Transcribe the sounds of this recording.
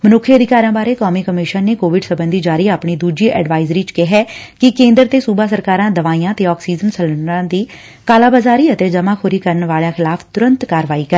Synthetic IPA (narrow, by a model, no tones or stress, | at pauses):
mənʊkʰːiəd̪ɪkaːɾãːbaːɾeːkɔːmiːkəmɪʃənːeːkoːʋɪɖsəbənd̪iːd͡ʒaːɾiːaːpɳiːd̪uːd͡ʒiːʔɛ̰ːɖʋaːɪzɾiːt͡ʃkɪɦɛːkɪkẽːnd̪əɾt̪eːsuːbaːsəɾkaːɾãːd̪əʋaːiːãːt̪eːɔːksiːzənsələɳɾãːd̪iː | kaːlaːbaːzaːɾiːət̪eːd͡ʒəmãːkʰoːɾiːkəɾəɳʋaːljãːxʰɪlaːpʰt̪ʊɾənt̪kaːɾʋaːiːkəɾ